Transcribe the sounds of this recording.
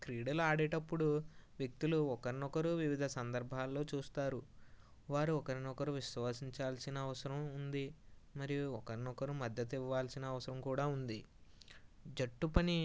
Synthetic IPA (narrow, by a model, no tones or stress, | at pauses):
kɾiːɽɐluaːɽeːʈɐpːuɽuʋjek̚t̪iluɔkɐɾinɔkɐɾuʋiʋid̪ʱɐsɐnd̪ɐɾbʱaːlːo̞ːt͡ʃuːst̪aːɾu | ʋaːɾuɔkɐɾinɔkɐɾuʋiʃʋaːsiɲt͡ʃaːlsinɐːʋɐsɐɾɐmund̪i | mɐɾijuɔkɐɾinɔkɐɾumɐd̪ːɐt̪iʋːaːlsinɐːʋɐsɐɾɐmkuːɽaːund̪i | d͡ʒɐʈːupɐni